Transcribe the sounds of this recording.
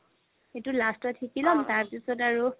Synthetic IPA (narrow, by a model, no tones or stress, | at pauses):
etulastɔtʰikilɔmtaɹpisɔtaɹu